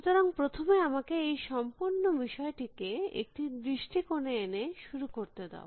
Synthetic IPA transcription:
t̪aɾoŋpɾot̪ʰomeamakeejʃɔmpuɾnːobiʃɔeʈikeḛk̚ʈid̪ɾiʃʈʰikoneeneʃuɾukoɾt̪ed̪ḛo̰

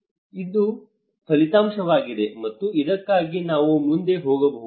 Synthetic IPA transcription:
id̪u | kʰɐlit̪aːmʂɐʋaːɡid̪e̞mɐt̪ːuid̪ɐkːaːɡinaːʋumund̪e̞ɦoːɡɐbɐɦ

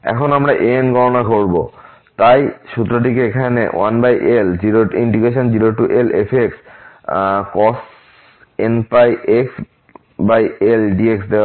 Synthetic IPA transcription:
ɛ̰kʰɔnamɹaʔenɡʱɔɹɔnaɡʱoɹbo | tajʃut̪ɾodikeekʰanḛwa̰nbajʔelziɾoiɳɖiɡes̬ɔnziɾoʈuʔelepʰeks | kɔs | enpajeks | bajelɖieksd̪e

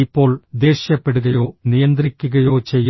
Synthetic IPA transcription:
ipːo̞ːɭd̪e̞ːɕjɐpːe̞ɽuɣɐjo̞ːnijɐnd̪rikʲːuɣɐjo̞ːt͡ɕe̞jː

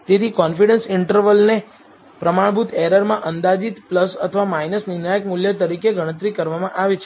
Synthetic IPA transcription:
t̪et̪ʰikɔnfiɽənsɪɳʈəɾʋəlne | pɾəmaɳbʱut̪ʰɛɾəɾmãʔənd̪ad͡ʒit̪pləsə̰t̪ʰəʋamainəsnɪnajəkmuljət̪əɾikeɡʱəɽ̃ət̪̬ɾikəɾʋamãʔaʋet͡ʃʰ

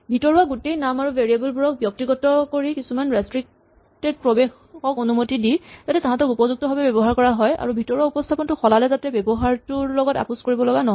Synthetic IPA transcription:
bʱitɔɹuaɡutejnamaɹuveɹiabɔlbuɹɔk̚bjɔk̚tiɡɔtɔkoɹikisumanɹɛstɹik̚ | ted̚pɹɔbex | ɔkonumotidiz̥atɛtaɦãtɔkupɔzuk̚tɔbʱabɛbɛbɔɦaɹkɔɹaɦɔja̰ɹubʱitɔɹuaupɔstʰapɔntʊxɔlalɛzatɛbɛbɔɦaɹtuɹlɔɡɔta̰puskoɹibɔlɔɡanɔɦɔ

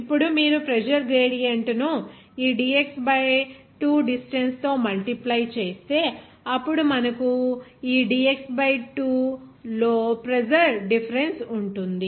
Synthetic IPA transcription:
ipːuɽumiːɾupɾed͡ʒɐɾɡɾeːɽijɐɳʈnu | iːɖiːeksbɐj | ʈuːɖisʈenst̪o̞ːmɐlʈiplɐjt͡ʃe̞ːst̪e̞ː | ɐpːuɽumɐnɐkuiːɖiːeksbɐjʈuːloːpɾed͡ʒɐɾɖipʰɐɾensuɳʈund̪i

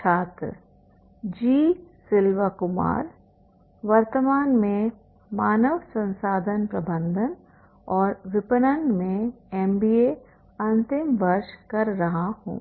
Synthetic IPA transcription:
t͡ʃʰaːt̪ɾə̰ | d͡ʒiːsɪlʋakʊma̰ːɾ | ʋɐɾt̪əmaːnmẽ | maːnəʋsɐ̃nsaːd̪ʱənpɾɐbə̃nd̪ʱən | ɔːɾʋɪpənənmẽ | ɛːmbiːe | ɐ̃nt̪ɪmʋɐɾʃkɐɾːɐɦahṵ̃ː

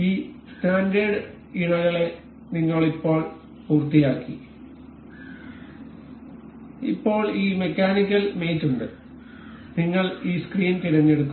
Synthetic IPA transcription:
iːstaːnɖeɖɨ | iɽɐɣɐɭe̞ | niŋːɐɭipːo̞ːɭ | puːrt̪ːijaːkːḭ | ipːo̞ːɭiːme̞kːaːnikʲːɐlmeːt͡ɕːuɳɖɨ | niŋːɐɭiːskriːnt̪iɾɐɲːe̞ɽukːu

